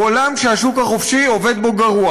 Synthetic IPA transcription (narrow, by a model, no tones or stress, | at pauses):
olamʃeaʃukhaχofʃiove̞d̪bo̞ɡaʁua